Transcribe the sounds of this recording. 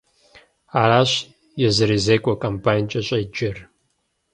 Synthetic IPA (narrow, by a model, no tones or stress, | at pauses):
aːɾaːɕ | jɛzɨɾiːzeːkʷʼɔkʼɐmpʰaːnt͡ʃʼɐɕʼɐd͡ʒɪr